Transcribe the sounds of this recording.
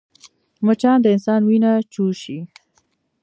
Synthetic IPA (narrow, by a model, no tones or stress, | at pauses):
mət͡ʃɑnd̪əɪnsɑnwinat͡ʃuʃi